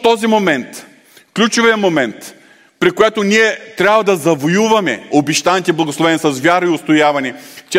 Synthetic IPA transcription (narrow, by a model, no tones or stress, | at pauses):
t̪ɔzimomɛnt̪ | klʲut͡ʃoviɐmomɛnt̪ | pɾikojɛt̪oniɛt̪ɾʲabvɐd̪ɐzɐvojuvɐmɛobiʃt̪anʲit̪ɛblˠɐɡoslˠovɛnsɐsvʲjaɾɐiʊst̪ojavɐnɛt͡ʃ